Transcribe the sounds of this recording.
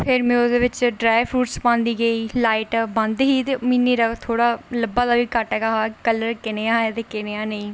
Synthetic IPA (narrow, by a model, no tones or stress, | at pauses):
pʰɪɾmɛ̃ːod̪eːʋɪt͡ʃɖɾaːpʰɾuːʈspãːnd̪iːɡəiːlaːɪʈbə̃nd̪ɦiːt̪eːminːiːɾat̪ʰoːɽaːləbaːd̪aːʋiːkəʈɛːɡaɦaːkələɾkɪneːãːɛt̪eːkɪneːãːneĩː